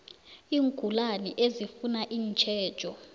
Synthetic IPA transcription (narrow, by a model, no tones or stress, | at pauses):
iːŋɡʱulanḭʔezifunaʔiːnt͡ʃʰʼɛːd̥ʒ̥ʱʼɔ